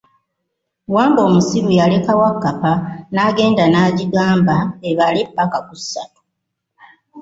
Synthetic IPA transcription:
waːmbo̞ːmusiɾujale̞kawakːapanaɡe̞ːndanaːɟiɡaːmbaeβalepːakakusːatu̥

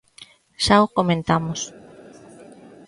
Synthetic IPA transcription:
ʃaokomẽnt̪amos

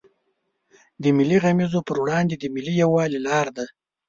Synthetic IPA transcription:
d̪əmɪlːiɣamizopəɾwɽɑnd̪ed̪əmɪlijawɑlilɑɾd̪a

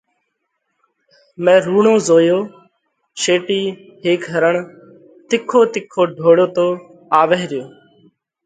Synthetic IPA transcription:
mẽːɾuːɳoːzoːjoː | ʃeːʈiː | ɦeːkɦəɾəɳ | t̪ɪkʰːoːt̪ɪkʰːoːɖʱoːɽoːt̪oː | aːʋeːɾɪjoː

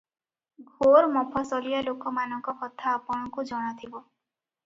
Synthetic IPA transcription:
ɡʱoɾmɔpʰɔsɔlijalokɔmanɔŋkɔkɔt̪ʰaːpɔɽ̃ɔkud͡ʒɔɽ̃at̪ʰibɔ

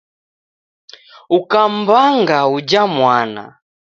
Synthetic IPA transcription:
ukam̩baŋɡaud͡ʒamwana̰

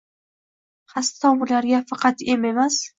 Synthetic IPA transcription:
χast̪ʰɒbʊlaɾɡʲafɑqɑt̪eme̞mas

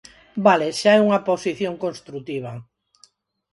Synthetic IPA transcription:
baleʃaɛuŋɐposiθjoŋkonst̪ɾut̪iβ̞ɐ

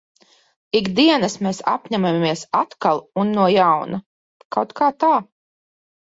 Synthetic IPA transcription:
iɡd̪iɛnasmeːsa̰pʲɲæmamiɛsat̪kalˠunːuɔjawna | kawt̪kaːt̪aː

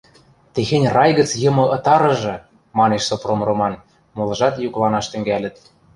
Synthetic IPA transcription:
t̪exenʲrɑjɣə̆t͡sjɤ̆mɤ̆ʔɤ̆t̪ɑɾɤ̆ʒɤ̆ | mɑneʃsopromromɑn | molˠɤ̆ʒɑt̪juklˠɑnɑʃt̪ø̆ŋɡælʲə̆t̪̚

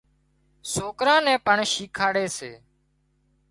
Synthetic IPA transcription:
soːkɾãːnɛ̃ːpəɳʃiːkʰaːɽeːseː

